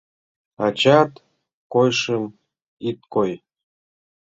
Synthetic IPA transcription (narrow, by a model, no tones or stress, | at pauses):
ɑt͡ɕɑt̪ | kojʃəm | it̪̚koj